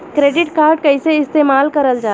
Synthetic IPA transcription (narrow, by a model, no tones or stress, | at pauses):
kɾeːɖɪʈkaːɾɖkɐiseɪst̪eːmaːlkɐɾəld͡ʒaː